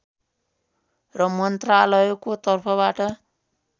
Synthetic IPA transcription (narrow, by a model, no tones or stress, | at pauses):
rʌmʌnt̪ralʌjokot̪ʌrpʰʌβaʈʌ